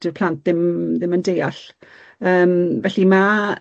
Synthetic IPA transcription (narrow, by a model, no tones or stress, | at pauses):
d̥ərpʰl̥ˠant̚ðɪmðɪməndejaɬ | əːmvɛɬima